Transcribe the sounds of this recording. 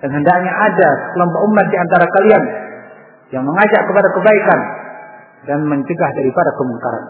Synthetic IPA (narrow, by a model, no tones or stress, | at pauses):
d̥anɦəndak̚ɲaʔadasə̥kəlɔmpɔʔumat̪̚diant̪aɾakalian | jaŋməŋad͡ʒaʔkəpadakəbaikan | danməɲt͡ʃəɡahdaɾipadakəmuŋkaɾa̰n